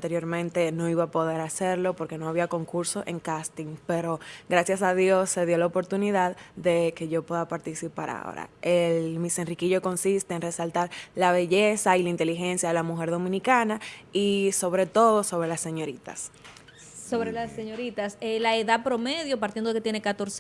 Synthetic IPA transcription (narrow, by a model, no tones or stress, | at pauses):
nt̪e̞ɾjo̞ɾmẽ̞nt̪e̞no̞iβapo̞ðe̞ɾase̞ɾlo̞po̞ɾkeno̞aβiako̞ŋkuɾso̞ʔe̞ŋkast̪iŋpe̞ɾo̞ɡɾasjasaðjo̞sːe̞ðjo̞laopo̞ɾt̪uniðaðd̪e̞ke̞ʝo̞pwe̞ðapaɾt̪isipaɾa̰o̰ɾa̰ʔelmise̞nrikiʝo̞ko̞nsist̪e̞enre̞salt̪aɾlaβe̞ʝe̞sailaint̪elixe̞nsjaðe̞lamuxe̞ɾðo̞mĩnikanaiso̞βɾe̞t̪o̞ðo̞so̞β̞ɾe̞lasːe̞ɲo̞ɾit̪a̰s | so̞βɾelasːeɲo̞ɾit̪aselaeðað̚pɾo̞me̞ðjo̞p̬aɾt̪jend̪oket̪jenekat̪o̞ɾs